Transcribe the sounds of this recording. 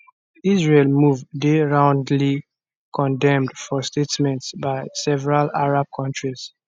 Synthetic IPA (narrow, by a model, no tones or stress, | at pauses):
isɹelmuvdeɹãʊ̃ndli | kʰɔ̃ndɛ̃mdfɔstetmɛ̃ntsbaɪsɛvɛɹalaɹab̚kʰɔ̃ntɹiz̥